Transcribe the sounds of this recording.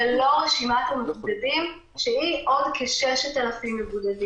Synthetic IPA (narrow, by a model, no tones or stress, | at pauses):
lo̞ʁeʃimat̪amebuudadim | ʃeiʔo̞d̪kʰeʃeʃat̪alafimːebudadi